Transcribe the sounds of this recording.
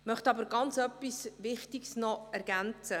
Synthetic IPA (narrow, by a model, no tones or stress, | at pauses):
mœχt̪ɑbəɾɡɑnt͡sœpːisʋɪχtiɡsnɔɛɾɡænt͡sə